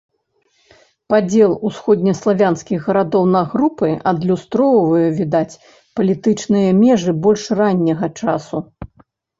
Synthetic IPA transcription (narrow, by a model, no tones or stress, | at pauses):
pad͡zʲɛlˠusxɔd̪ʲnʲɐslˠavʲanskʲiɣɣɐɾad̪ɔwnɐɣɾupɨʔɐd̪lʲust̪ɾɔwvɐjɛvʲid̪at͡sʲ | pɐlʲit̪ɨt͡ʂnɨjɐmʲɛʐɨbɔlʲʂranʲːɐɣɐt͡ʂasu